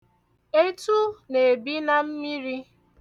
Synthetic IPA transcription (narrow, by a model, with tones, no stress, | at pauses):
e˦tu˦ne˨bi˦na˨m̩˦mi˦ɾi˦